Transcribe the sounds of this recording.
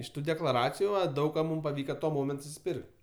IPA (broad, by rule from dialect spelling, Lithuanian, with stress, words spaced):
ɪʃ ˈtuː dʲɛklˠɐˈrɑːt͡sʲɪjʊ ˈʋɐ ˈdɐʊk kɐ ˈmuːm pɐˈʋʲiːkɐ tuɔ ˈmoːmʲɛnt sʊsʲɪˈpʲɪrʲkʲtʲ